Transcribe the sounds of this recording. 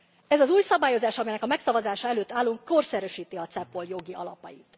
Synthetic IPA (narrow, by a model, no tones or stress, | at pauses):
ɛzɒzuːjsɒbaːjo̞zaːʃɒmɛjnɛkɒmɛksɒvɒzaːʃɒɛløːt̪ːaːlːuŋkːo̞rsɛɾøʃiːt̪iɒt̪sɛpːo̞ljo̞ɡiɒlɒ̰pɒ̰jit̪